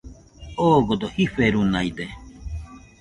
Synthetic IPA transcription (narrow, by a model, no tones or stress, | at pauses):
oɡod̪ohiɸeɾunaid̪e